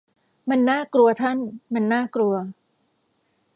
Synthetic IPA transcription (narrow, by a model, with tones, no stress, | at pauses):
ma˧nːaː˥˩kɾu˧ɐt̪ʰa˥˩nma˧nːaː˥˩kɾu˧ɐ